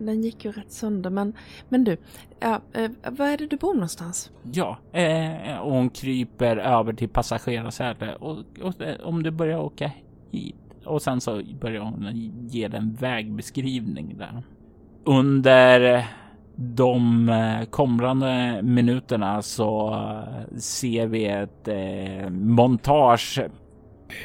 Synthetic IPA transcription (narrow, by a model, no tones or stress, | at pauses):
d̪ɛnjɪkːjɵɾɛt̪ːsœnd̪əmɛnmɛnd̪ʉː | jɑːvaæɖɛd̪ɵbuːɳɔnst̪ans | jɑː | ɔhʊnkʰɾiːpəɾøːvəʈʰɪlpʰasaɧeːɾasɛːʈ̪ə̰ɔɔɔ̰md̪ɵbœɾjaɾoːka | hḭːt̪ | ɔsɛnsɔbœɾjaɾhʊnjeːd̪ɛɛnvɛːɡ̚bɛskɾiːvnɪ̰ŋd̪æ̰ɾ | ɵnd̪əɾ | d̪ɔmkʰɔmɾand̪əmɪnʉ̟ːt̪əɳasɔ | seːɾvɪɛt̪ | mɔnt̪ʰɑːʂ